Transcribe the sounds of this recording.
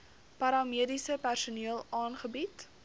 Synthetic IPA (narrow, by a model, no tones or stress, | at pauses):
pɐɾɑmiədisəpærsuniəlˠɑːnχəbit